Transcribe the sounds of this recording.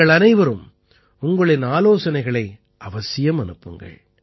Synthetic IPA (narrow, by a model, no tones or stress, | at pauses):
ɐɭɐnɐɪʋɐɾɯm | ʊŋɡɐɭɪnaːloːsɐnɐɪɣɐɭɐɪ | ʔɐʋɐsɪjɐmɐnɯpːɯŋɡɐ̰ɭ